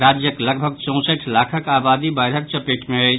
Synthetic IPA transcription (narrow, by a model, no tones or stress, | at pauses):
ɾad͡ʒjəkləɡbʱəɡ̚t͡ʃɔ̃w̃səʈʰlakʰəkabad̪ibaɾɦək̚t͡ʃəpeʈʰmeət͡ʃ